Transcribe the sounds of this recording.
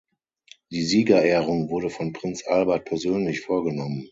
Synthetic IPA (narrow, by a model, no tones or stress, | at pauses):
d̥iːziːɡɐʔɛːʁʊŋvʊɐɾəfɔnpʁ̥ɪnt͡sʔalbɐt̚pʰɛɐzøːnlɪçfoːɐɡənɔmən